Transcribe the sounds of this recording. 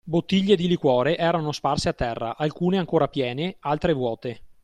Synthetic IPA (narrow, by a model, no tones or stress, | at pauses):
bot̪ːiʎːed̪ilikwɔːɾeʔɛːɾanosparseat̪ːɛrːa̰ʔalkuːneaŋkoːɾapjɛːnealt̪ɾevwɔːt̪e